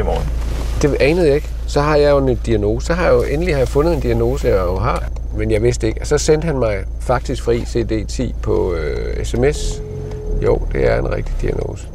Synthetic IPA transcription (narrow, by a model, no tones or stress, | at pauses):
mɔː | d̥e̝ɛːnəð̞̩ˠe̝ɡ̥ | sɒ̽ɦɑ̈jɑ̈ɪjon̥iæno̝̰ːssɒ̽ɦɑ̈jɑjoʔenəlihɑ̈jafɔ̽nð̞̩ˠe̝nd̥iæno̝ːsəjɑɪoɦɑ̈ | menjɑ̈ɪʋe̝sd̥ee̝ɡ̥ɒ̽sɒ̽sen̰d̥hænmɑ̈ɪ | fɑ̈ɡ̥̚d̥isɡ̥fʁḭːse̝̰ːd̥e̝̰ːt͡sʰḭːpʰɒ̽esemes | jo̝̰ʊ̰d̥e̝æɐe̝nʁeɡ̥̚d̥id̥iæno̝̰ːsə̥